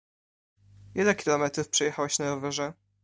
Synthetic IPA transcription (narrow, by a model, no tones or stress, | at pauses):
vʲjɛlɛkʲilɔmɛt̪ɾufpʂɛjɛxawɛɕnaɾɔvɛʐɛ